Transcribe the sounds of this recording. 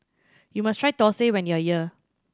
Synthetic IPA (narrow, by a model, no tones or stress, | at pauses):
jumastʰɹajtɔsewɛ̃njuajiə